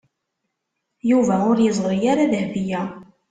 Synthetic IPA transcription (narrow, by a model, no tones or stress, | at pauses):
juvæʊɾjəzˤɾˤijaɾaðhvijæ